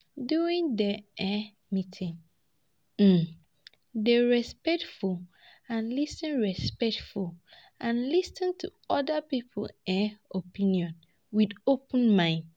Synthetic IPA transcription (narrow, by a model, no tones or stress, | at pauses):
duĩŋdɛɛ | mĩtʰĩŋ | m̩ | dɛɹɛspɛk̚tful | ãnlistĩnɹɛspɛk̚tful | ãnlistɪ̃ntʰuɔdapipʰo̰lɛopʰĩniɔ̃n | widopə̃nmãɪ̃nd